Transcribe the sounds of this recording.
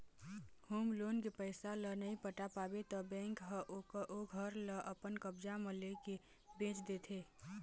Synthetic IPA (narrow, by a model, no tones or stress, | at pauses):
huːmloːnkepəɪsalənəĩpəʈapaːbet̪ɔbɛ̃ːŋkɦəʔoʔoɡʱəɾləʔəpənkəbd͡ʒaməleke | bẽːt͡ʃd̪et̪ʰe